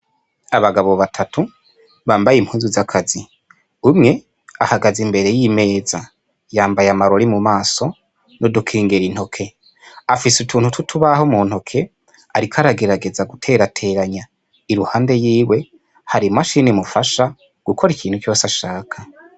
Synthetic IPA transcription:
aβaɡaβo̞βatʰatʰu | βaːmbajim̥huːnzuzakʰazi | umŋe̞ | a̰haɡazimbe̞ɾe̞jime̞ːza | jaːmbajamaɾo̞ɾimumaːso̞ | nodukʰiːŋɡeɾin̥ho̞kʰe̞ | afisutʰuːnhutʰutʰuβaɦomuːn̥ho̞kʰe̞ | aɾikʰaɾaɡe̞ɾaɡe̞zaɡutʰe̞ːɾatʰe̞ːɾaɲa | iɾuhaːnde̞jiːwe̞ | haɾimaʃinimufaʃa | ɡ̥ukʰo̞ɾikʰiːn̥hukjo̞ːsaʃaːkʰa

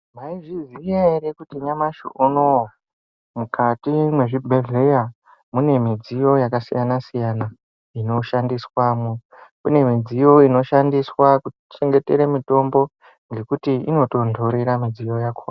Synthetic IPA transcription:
maiʐizijaeɾekutiɲamaʃo̰ʔuno | mukʰatimwe̞ʐibʱe̞ɮe̞ja | mune̞mid͡zijo̞jakasḭjanasijana | ino̞ʃandiswamu | kune̞mid͡zijo̞ino̞ʃandiswaku | t͡ʃe̞ŋɡe̞te̞ɾemito̞mbo̞ | ŋɡe̞kutiino̞to̞ndʱo̞ɾeɾamid͡zijo̞jakʰo̰a

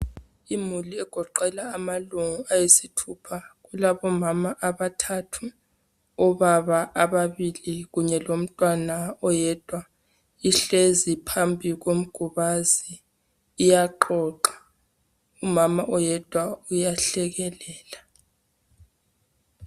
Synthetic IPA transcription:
imuliɛɡ̥ʱɔǃɛlaːmaluŋuajesitʰupʰaɣulaβɔmamaʔaβatʰatʰu | ɔβaβaʔːβaβiliɣuɲɛlom̩tʼwanaɔjɛd̥ʱwa | iɬezipʰambʱiɣom̩ɡ̥ʱuβaziː | jaǃɔːǃḁ | umamaʔɔjɛd̥ʱwaujaɬɛɣɛlɛːla

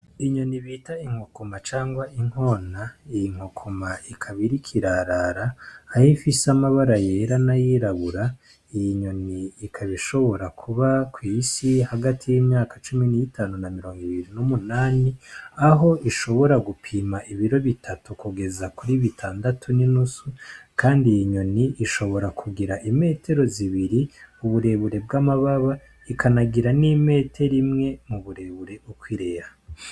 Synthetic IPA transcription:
iɲo̞niβitaiŋ̥hokomat͡ʃaːŋɡwaʔiŋ̥ho̞naijiŋ̥hokʰomaikʰaβiɾikʰiɾaɾaɾaːjifisamaβaɾaje̞ːɾanajiɾaβuɾa | ijiɲo̞niːkʰaβiʃo̞βo̞ɾakʰuβakwiːsihaɡatʰijimɲaːkḁt͡ʃuminijitʰaːnunamiɾo̞ːŋɡiβiɾinumunaːniaɦo̞ʔiʃo̞βo̞ɾaɡupʰiːmaʔiβiɾo̞βitʰatukuɡe̞zakuɾiβitʰaːndatʰuninusukaːndijiɲoniʔːʃo̞βo̞ɾakʰuɡiɾaʔime̞ːtʰe̞ɾo̞ziβiɾiuβuɾe̞βuɾe̞bɡamaβaβa | ikʰanaɡiɾanime̞ːtʰe̞ɾimŋe̞muβuɾe̞βuɾe̞ukwiɾeɾa

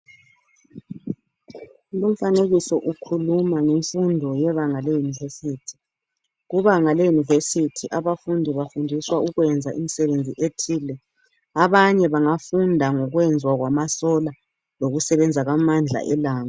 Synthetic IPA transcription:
lum̩faneɣisɔʔukʰulumaŋeɱfundʱɔjɛβaŋalejunivesiːtʰi̥ | ɣuβaŋalejunivesitʰiʔaβafundʱiβafundʱiswauɣwɛnd͡zʱaʔḭmisɛβend͡zʱiʔetʰiːlɛ | aβaɲɛβaŋafundʱaŋɔɣwɛnd͡zʱwaɣwamasɔla | loɣusɛβɛnd͡zʱaɣamand͡ɮʱa̰ʔɛlaːŋa

